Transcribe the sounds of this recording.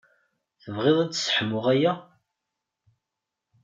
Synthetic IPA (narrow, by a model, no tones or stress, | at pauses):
θəvʁɪðˤæt͡sːsħəmʊʁæjæ